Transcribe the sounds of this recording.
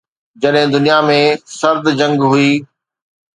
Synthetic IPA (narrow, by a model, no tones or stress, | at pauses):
d͡ʑɐɗɦɪ̃d̪ʊnijamẽsɐɾd̪d͡ʑɐ̃ŋɡɦʊiː